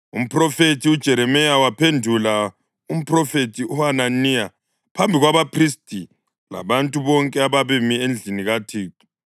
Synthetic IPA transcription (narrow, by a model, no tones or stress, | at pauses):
ṵm̩pʰʼrɔfetʰiud̥ʒ̥ʱɛɾɛmɛjawapʰendʱula | um̩pʰʼrɔfetʰʼiuananija | pʰambʱiɣwaβapʰristʼi | la̰βantʼuβɔŋkʼɛaβaβemiend͡ɮʱiniɣatʰiːtʼu̥